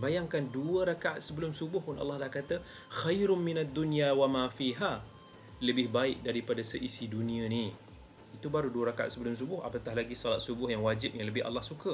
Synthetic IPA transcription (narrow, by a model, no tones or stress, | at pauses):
bajaŋkanduəɾakaʔat̪̚səbəlʊmsubʊhpʊna̰lːɑhdahkat̪ə | xajɾʊmɪnad̪ːunjawamãfiɦa | ləbɪhbaɪk̚daɾipadasəʔisidunĩani | it̪ubaɾuduəɾakaa̰t̪səbəlʊms̬ubʊɦa̰pət̪aɦlaɡisɔlat̪̚subʊhjaŋwad͡ʒɪp̚jaŋləbɪha̰lːahsukə